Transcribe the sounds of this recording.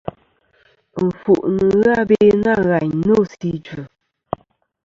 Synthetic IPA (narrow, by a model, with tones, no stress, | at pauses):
m̩˨fu˨ʔnɨ˨˦ɣa˦be˦na˦˨ɣa˨ɲ˦no˦˨si˦d͡ʒʉ˨